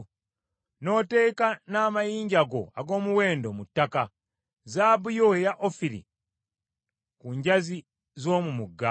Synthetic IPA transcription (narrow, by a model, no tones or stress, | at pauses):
no̞te̞kanaːmajiːɲɟaɡo̞a̰ɡo̞ːmuwe̞ːndo̞mutːaka | zaːbujoejaʔofiɾḭ | kuːɲɟazi | zo̞ːmumuɡːa